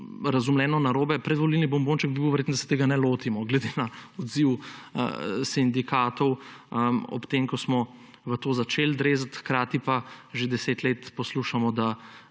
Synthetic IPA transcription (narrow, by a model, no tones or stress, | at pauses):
ɾɐzumlɛːnɔnaɾoːbɛpɾɛd̪ʋɔlilnibɔmboːnt͡ʃɛk̚bibiwʋɛɾeːt̪nɔd̪asɛ̥t̪eːɡanɛloːt̪imɔɡlɛd̪enaɔd̪ziwə̰sind̪ikʰaːt̪ɔwəɔ̰pt̪emkɔsmɔ | ʋət̪oːzat͡ʃeːld̪ɾeːzat̪xkɾaːt̪ipaʒed̪ɛseːt̪leːt̪pɔsluʃamɔd̪a